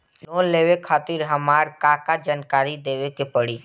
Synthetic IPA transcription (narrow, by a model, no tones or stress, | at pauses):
loːnleːwekʰaːt̪ɪɾɦəmaːɾkaːkad͡ʒaːnkaːɾid̪eːwekepəɽiː